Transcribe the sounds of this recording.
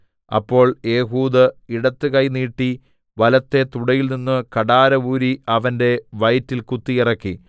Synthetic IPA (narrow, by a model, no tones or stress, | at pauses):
ɐ̰pːo̞ːɭe̞ːɦuːd̪ɐiɽɐt̪ːɨkɐjniːʈːi | ʋɐlɐt̪ːe̞t̪uɽɐjilninːɨkɐɽaːɾɐʋuːɾiɐʋɐnde̞ʋɐjtːilkut̪ːijirɐkːi